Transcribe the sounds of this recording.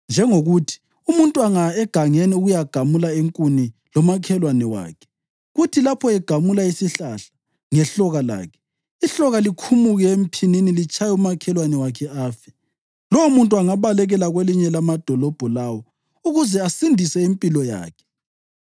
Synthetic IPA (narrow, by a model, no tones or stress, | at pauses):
nd͡ʒʱɛŋoɣutʰi̥ | umuntʼuaŋaɛɡ̥ʱaŋɛniuɣujaɡ̥ʱamulaeŋkʼunilɔmakʰɛlwanɛwa̰ːkʰɛ̥ | ɣutʰilapʰɔɛɡ̥ʱamulaisiɬaɬḁ | ŋɛɬɔɣala̰ːkʰɛ̥ | iɬɔɣalikʰumuɣɛem̩pʰininilit͡ʃʰʼajumakʰɛlwanɛwakʰɛaːfɛ̥ | lɔwomuntʼuaŋaβalɛɣɛlaɣweliɲɛlamad̥ʱɔlɔb̥ʱɔlawɔ | uɣuzɛasindʱisɛimpʼilɔja̰ːkʰɛ̥